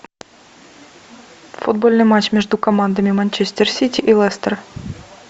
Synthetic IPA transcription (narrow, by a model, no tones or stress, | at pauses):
fut̪̚bolʲnəmat͡ɕmʲeʐd̪ukomand̪əmʲimanʲt͡ɕesʲt̪ʲersʲit̪ʲiʔilˠest̪ʲər